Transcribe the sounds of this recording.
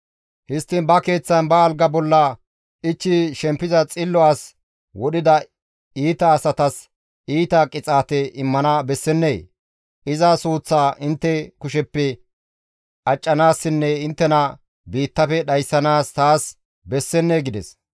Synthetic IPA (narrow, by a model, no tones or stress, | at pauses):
hɪst̪ːɪnbɐke̞ːt͡sːɐnbɐːlɡɐbɔlːɐ | ɪt͡ʃːɪʃɛmpːɪzɐt͡sʼɪlːɔaːs | wɔɗɪd̪ɐ | iːt̪ɐːsɐt̪ɐs | iːt̪ɐkʼɪt͡sʼaːt̪ɛɪmːɐnɐbɛsːɛnːeː | ɪzɐsuːt͡sːaːʔɪnt̪ːɛkʊʃɛpːɛ | ɐt͡ʃʼːɐnaːsːɪnːɛɪnt̪ːɛnɐ | biːt̪ːɐfɛɗɐjsːɐnaːst̪aːs | bɛsːɛnːeɡɪd̪ɛs